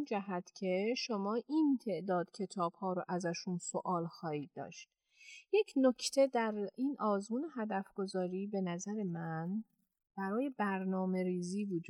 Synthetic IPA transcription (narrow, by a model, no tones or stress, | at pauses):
nd͡ʒæɦæt̪ʰcʰe̞ʃomɒːʔint̪ʰe̞ʔd̪ɒːd̪̥cʰe̞t̪ʰɒːb̥hɒːɾoʔæzæʃunsoʔɒːlxɒːhiːd̪̚dːɒ̰ːʃt̪̚ | je̞cʰnocʰt̪ʰe̞d̪æɾiːnʔɒːzmuːneɦæd̪æfɡ̥o̞zɒːɾiːbe̞næzæɾe̞mæn | b̥æɾɒːje̞bæɾnɒːme̞ɾiːziːvod͡ʒu